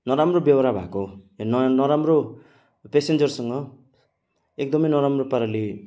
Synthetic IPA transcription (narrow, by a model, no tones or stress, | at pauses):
nʌɾamrobjʌwɾabʱa̰konnʌɾamro | pesend͡zʌrsʌŋɡʌ | ek̚d̪ʌmʌjnʌɾamropaɾali